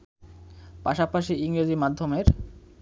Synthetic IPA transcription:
paʃapaʃiiŋɾed͡ʑimad̪ʱːomeɾ

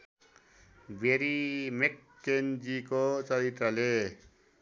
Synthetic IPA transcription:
bʱeɾimekːend͡zikot͡sʌɾit̪rʌle

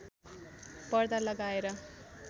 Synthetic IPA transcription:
pʌrd̪alʌɡaeɾʌ

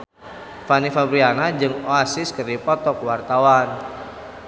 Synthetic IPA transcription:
fanifabɾianad͡ʒɨŋoasɪskɨrdipɔt̪ɔkwart̪awan

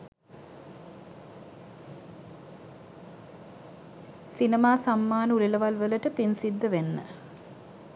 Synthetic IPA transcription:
sinəmaːsamːaːnəuliləʋalʋələʈəpinsid̪ːəʋenːə̰

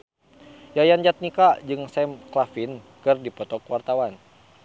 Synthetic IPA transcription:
jajand͡ʒat̪̚nikad͡ʒɨŋsɛmklafin | kɨrdipɔt̪ɔkwart̪awan

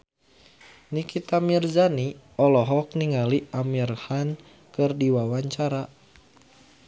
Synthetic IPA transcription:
nikit̪amirzani | ɔlɔɦɔk̚niŋaliamirhan | kɨrdiwawaɲt͡ʃaɾa

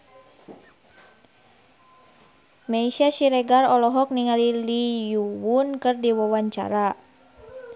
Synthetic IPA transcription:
maisiasiɾɛɡarɔlɔɦɔk̚niŋalilijuwunkɨrdiwɔwaɲt͡ʃa̰ɾa

